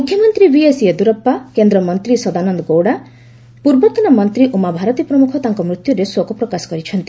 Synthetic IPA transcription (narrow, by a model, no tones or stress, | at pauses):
mukʰːjɔmɔnt̪ɾibiesied̪uɾɔpːakend̪ɾɔmɔnt̪ɾisɔd̪anɔnd̪ɔɡowɽa | puɾbɔt̪ɔnamɔnt̪ɾiʔumabʱaɾɔt̪ipɾɔmukʰɔt̪aŋkɔmɾut̪juɾeswɔkɔpɾɔkasɔ̥kɔɾit͡ʃʰɔnt̪i̥